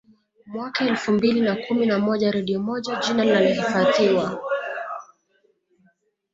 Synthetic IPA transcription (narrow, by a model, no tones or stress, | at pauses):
mwakaɛlfumbilinakuminamɔʄaɾɛɗiɔmɔʄaʄinalinalɔhifatiwa